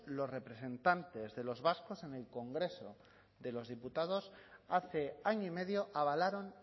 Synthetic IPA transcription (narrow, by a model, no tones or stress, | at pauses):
lo̞sre̞pɾe̞sẽ̞nt̪ant̪e̞zðe̞lo̞zβasko̞se̞ne̞lko̞ŋɡɾe̞so̞ | ðe̞lo̞zðiput̪að̞o̞saθe̞aɲoime̞ðjo̞ʔaβ̞alaɾo̞n